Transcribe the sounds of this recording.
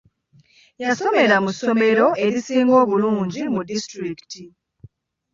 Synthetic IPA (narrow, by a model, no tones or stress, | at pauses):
jaso̞me̞ɾamuso̞me̞ɾo̞e̞ɾisiːŋɡo̞ːβuluːɲɟimudistɾikti